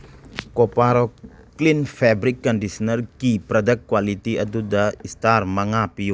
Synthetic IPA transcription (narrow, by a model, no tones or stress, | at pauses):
kɔpaɾɔklinfʰɛbɾikːɔndisɔnəɾkipɾɔd̪ək̚kːwalit̪iʔɐd̪ud̪aistaɾmaŋapiju